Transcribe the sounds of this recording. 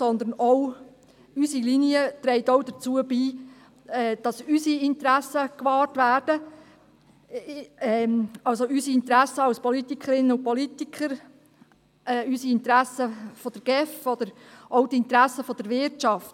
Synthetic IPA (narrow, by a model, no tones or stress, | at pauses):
sɔnd̪ən̩ɔw | ysiliniət̪ɾɛɪtɔwd̥̪ət͡suəbiː | ɛːd̥ɑsysiɪntəɾæsəkʋɑːrtvæːrd̥ə | ɛɑlsoysiɪnt̪ɾæsːəɑwspɔlitikʰəɾɪnəʊpɔlit̪ikʰəɾ | ɛːysiɪnt̪ɾæsəfɔd̥əɾɡ̥ɛfɔd̪əɾʔɔwtɪntɾæsəfɔd̥əɾvɪɾtt͡ʃɑft